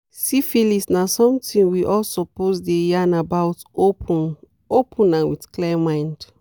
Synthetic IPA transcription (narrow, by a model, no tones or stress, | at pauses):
sifilisnasɔ̃mtĩŋwiʔɔlsɔpozdejanabawtopʰũn | opʰũnãnwitklɛmãj̃nd̥